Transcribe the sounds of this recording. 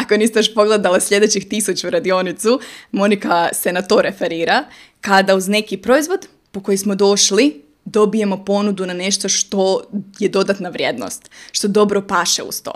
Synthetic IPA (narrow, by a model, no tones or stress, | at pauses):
akonist̪aʃpo̞ɡled̪alaslʎʲe̞d̪e̞t͡ɕixt̪isut͡ɕuɾad̪io̞nit̪sumo̞nikase̞nat̪o̞ːɾefe̞ɾiːɾa | kad̪auzne̞kipɾo̞izʋo̞d̪ | po̞ko̞jismo̞d̪o̞ʃli | d̪o̞bije̞mo̞po̞nud̪unane̞ʃt̪o̞ʃt̪o̞je̞d̪o̞d̪at̪naʋɾje̞d̪no̰st̪ʃt̪od̪o̞bɾo̞paʃḛṵst̪o̰